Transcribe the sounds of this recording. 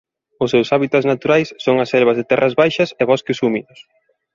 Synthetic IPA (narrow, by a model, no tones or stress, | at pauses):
ʊsːewsaβit̪at̪znat̪uɾajsːoŋɐsɛlβɐzðɪt̪ɛrʔɐzβajʃɐseβɔskɪsumiðʊs